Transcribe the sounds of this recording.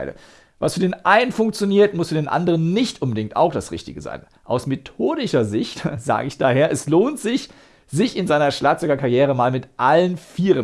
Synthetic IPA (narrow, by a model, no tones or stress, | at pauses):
ɪlə̰ | vasfyɐdeːnʔaɪnənfʊŋk̚t͡sjoniːɐtmʊsfyːɐdeːnʔa̰ndəʁ̞ənːɪçtʔʊnbədɪŋ̚ta̰ʊxd̥asʁɪ̰çtɪɡəza̰ɪn | ʔaʊsmetʰoːdɪʃɐzɪçtz̥a̰ːɡəɪçd̥aːɦeːɐʔɛsloːntz̥ɪç | z̥ɪçɪnzaɪnɐʃlaːx̚t͡sɔɡɐkʰaɐʁjeːʁ̞əmaːlmɪtʔalənfiːʁə